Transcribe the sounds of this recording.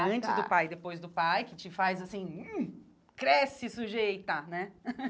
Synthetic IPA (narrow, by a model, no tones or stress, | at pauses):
ɐ̃nt͡ʃɪzd̪ʊpajd̪epojzd̪ʊpajkɪt͡ʃɪfajzasĩu | kɾɛsɪsuʒejt̪ɐnɛ